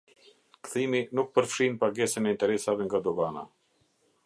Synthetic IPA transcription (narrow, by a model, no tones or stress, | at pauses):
kθiminuk̚pəɾfʃinpaɡɛsɛnɛint̪ɛɾɛsavɛŋɡad̪ɔɡana̰